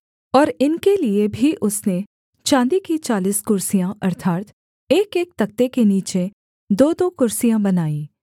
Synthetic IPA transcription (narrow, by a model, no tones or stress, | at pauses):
ɔːɾɪnkeliebʱiʔʊsne | t͡ʃãːnd̪ikit͡ʃaːliskʊɾsijãʔɐɾt̪ʰaːt̪ | eːkeːk̚t̪ɐk̚t̪ekeniːt͡ʃe | d̪oːd̪okʊɾsijãbɐnaːĩː